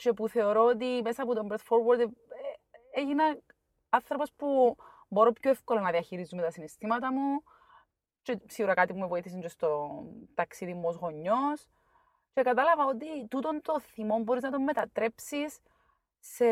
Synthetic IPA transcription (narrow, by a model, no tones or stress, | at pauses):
t͡ʃe̞puθe̞oɾo̞ot̪imesɐːpot̪ombɾet̪foɾwɐɾd̪ | eʝinɐ | ɐnθɾopo̞spu | bo̞ɾo̞pçoefkolonɐðiɐçiɾizumet̪ɐsinist̪imɐt̪ɐmu | t͡ʃesiɣuɾɐkɐt̪ipumevoiθis̬iɲd͡ʒost̪ot̪ɐksiðimːozɣo̞ɲːo̞s | t͡ʃe̞kɐt̪ɐlɐvɐot̪̬it̪ut̪o̞nt̪o̞θimo̞mboɾiznɐt̪o̞mːet̪ɐt̪ɾe̞psis | sːe